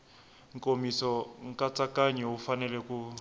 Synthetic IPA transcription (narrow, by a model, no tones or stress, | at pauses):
ŋ̩kʼomisɔŋ̩kʼat͡sʼakaɲɛɦufanɛlɛku